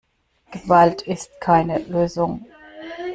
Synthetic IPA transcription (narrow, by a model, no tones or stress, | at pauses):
ɡ̥əvaltʰɪst̚kʰaɪnəløːzʊŋ